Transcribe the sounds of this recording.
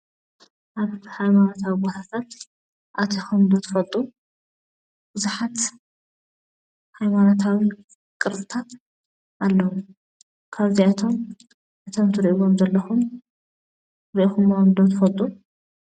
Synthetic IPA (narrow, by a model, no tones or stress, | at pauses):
ʔaβhajmanot̪ʰawibot̪ʰat̪ʰat̪ | ʔat̪ʰixomd̪ot̪ʰɐ̥fɐlt̪ʼu | b̥ɨzuħat̪ | hajmanot̪ʰawi | kʼɨɾbɨt̪ʰat̪ | ʔalːɐu | kʰaβziat̪ʰo̞m | ʔɨt̪ʰomt̪ʰɨɾʔiβomzɐlːɐxum | ɾiʔixumːaomd̪ot̪ʰɨfɐlt̪ʼu